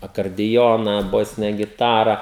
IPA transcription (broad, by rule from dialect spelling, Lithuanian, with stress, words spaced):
ɐkɐrʲdʲɪˈjoːnɐ ˈboːsʲɪnʲɛ ɡʲɪˈtɑːrɐ